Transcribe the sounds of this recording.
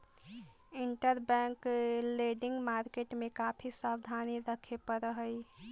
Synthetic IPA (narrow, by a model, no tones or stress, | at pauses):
iɳʈəɾbɛ̃ŋkleɖiŋɡmaɾkeʈmekapʰisabd̪ʱaniɾəkʰepəɾəɦəj